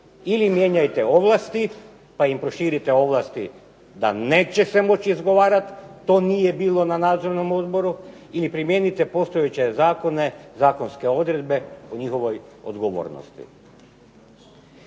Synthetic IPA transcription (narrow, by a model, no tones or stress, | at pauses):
ilimje̞ɲajt̪e̞o̞ʋlˠast̪i | paimpɾo̞ʃiːɾit̪eo̞ʋlˠast̪ḭ | d̪a̰ne̞ːt͡ɕe̞semo̞t͡ɕiizɡo̞ʋaːɾat̪ːo̞ːnijebiːlˠo̞nanaːd̪zo̞ɾno̞mo̞d̪bo̞ɾu | ilipɾimje̞nit̪epo̞st̪o̞jet͡ɕe̞zaːko̞ne̞zaːko̞nske̞o̞d̪ɾe̞d̪be̞oɲixo̞ʋo̞jo̰d̪ɡoʋo̰ːɾno̰st̪ḭ